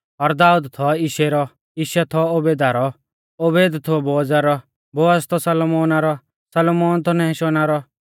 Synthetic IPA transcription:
ɔɾd̪aːud̪t̪ʰɔiʃeɾɔ | iʃɛt̪ʰɔobeːd̪aɾɔ | obeːd̪t̪ʰʊboːd͡zaɾɔ | bɔɐst̪ʰɔsɐlɔmɔːnaɾɔ | sɐlmɔːnt̪ʰɔnɛʃonaɾɔ

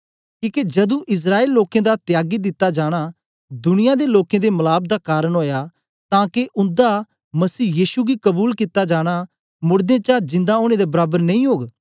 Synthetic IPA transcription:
kiːked͡ʒɐd̪ũʔɪs̬ɾaːeːlːoːkẽd̪at̪jaːɡid̪ɪt̪ːad͡ʒaːɽ̃a | d̪ʊɽɪjãd̪eloːkẽd̪emɐlaːb̚d̪akaːɾəɽ̃ɦoːja | t̪ãːkeʔʊ̃nd̪a | mɐsiːjiːʃuɡikɐbuːlkɪt̪ːad͡ʒaːɽ̃a | mʊɾd̪ẽt͡ʃad͡ʒɪ̃nd̪aoːɽ̃ed̪ebɐɾaːbəɾnɐ̃ĩːɦoːɡ

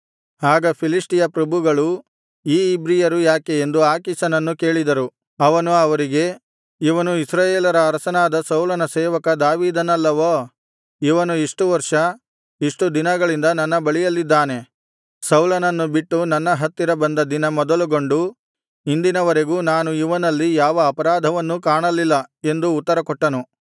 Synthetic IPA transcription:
aːɡɐpʰilisʈijɐpɾɐbʱuɡɐɭu | iːbɾijɐɾujaːkeend̪uaːkisɐnɐnːuke̞ːɭid̪ɐɾu | ɐʋɐnuɐʋɐɾiɡe̞ | iʋɐnuisɾaːjeːlɐɾɐːɾɐsɐnaːd̪ɐsɐwlɐnɐsɛːʋɐkɐd̪aːʋiːd̪ɐnɐlːɐʋoː | iʋɐnuiʂʈuʋɐɾʂɐ | iʂʈud̪inɐɡɐɭind̪ɐnɐnːɐbɐɭijɐlːid̪ːaːne̞ | sɐwlɐnɐnːubiʈːunɐnːɐɦɐt̪ːiɾɐbɐnd̪ɐd̪inɐmɔd̪ɐluɡo̞ɳɖu | ind̪inɐʋɐɾeɡuːnaːnuiʋɐnɐlːijaːʋɐːpɐɾaːd̪ʱɐʋɐnːukaːɳɐlːilːɐe̞nd̪uːt̪ːɐɾɐkɔʈːɐnu

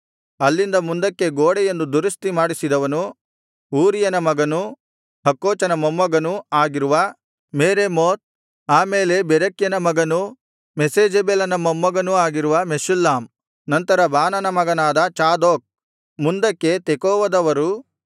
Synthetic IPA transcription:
ɐlːind̪ɐmund̪ɐkːe̞ɡoːɽejend̪ud̪uɾist̪imaːɽisid̪ɐʋɐnu | uːɾijɐnɐmɐɡɐnu | hɐkːoːt͡ʃɐnɐmɐmːɐɡɐnuaːɡiɾuʋɐ | meːɾemoːt̪̚ | aːmeːle̞bɛɾɐkjɐnɐmɐɡɐnu | meseːd͡ʒebelɐnɐmɐmːɐɡɐnuaːɡiɾuʋɐmeʃulːaːm | nɐnt̪ɐɾɐbaːnɐnɐmɐɡɐnaːd̪ɐt͡ʃaːd̪oːk̚ | mund̪ɐkːe̞t̪ekoːʋɐd̪ɐʋɐɾu

